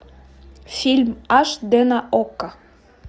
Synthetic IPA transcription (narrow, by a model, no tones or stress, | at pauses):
fʲilʲmɑʃd̪enəʔokːə